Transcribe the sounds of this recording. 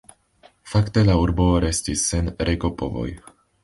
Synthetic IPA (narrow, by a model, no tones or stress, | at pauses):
fakt̪elauɾboɾɛscisːɛnɾʔɛkopovo̰j